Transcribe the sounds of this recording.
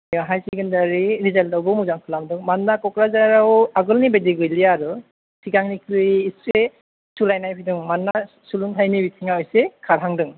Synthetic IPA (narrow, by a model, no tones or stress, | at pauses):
jɔɦajsiɡɯndaɾiɾizaldawbɯmuzaŋkʰɯlamdɯŋmanːakɔkɾazaɾawaɡɯlnibediɡɯjlijaɾɯ | siɡaŋnikʰɾɯːsɾe | sulajnajpʰidɯŋmanːa | suluŋtʰajnibitʰiŋaɔjsekʰaɾɦaŋdɯŋ